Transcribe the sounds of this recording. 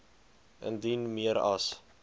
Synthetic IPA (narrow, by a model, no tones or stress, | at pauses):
ə̰ndinmiəɾɐ̰s